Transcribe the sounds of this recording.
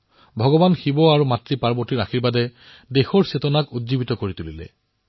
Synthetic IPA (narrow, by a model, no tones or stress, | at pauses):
bʱɔɡɔbanxibɔaɹumatɹipaɹbɔɹtiɹaxʰiɹbadɛ | dexɔɹsetɔnakudzibitɔkoɹitulilɛ̰